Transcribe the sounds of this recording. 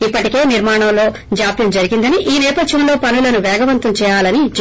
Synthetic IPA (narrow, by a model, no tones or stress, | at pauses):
ipːɐʈike̞ːniɾmaːɳɐmlo̞ː | d͡ʒaːpjɐmd͡ʒɐɾiɡind̪ɐniʔiːnɛːpɐd̪ʋɐmlo̞ːpɐnulɐnuʋɛːɡɐʋɐnt̪ɐmt͡ʃɛːjaːlɐnid͡ʒ